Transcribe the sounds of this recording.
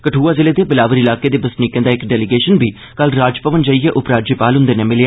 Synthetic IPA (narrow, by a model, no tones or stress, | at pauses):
kəʈʰuːaːzɪleːd̪eːbɪlaːʋəɾɪlaːkeːd̪eːbəsniːkɛ̃ːd̪aːɪkɖɛːlɪɡeːʃənbiː | kəlɾaːd͡ʒpəʋənd͡ʒaːiːeːʔʊpɾaːd͡ʒəpaːlɦʊnd̪eːnẽːmɪljaː